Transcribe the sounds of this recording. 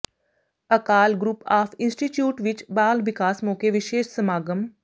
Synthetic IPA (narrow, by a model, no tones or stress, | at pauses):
ɐkaːlɡɾʊpaːpʰɪ̃nsʈiʈjuːʈʋɪt͡ʃbaːlʋɪkaːsmoːkeʋɪʃeːʃsəmaːɡəm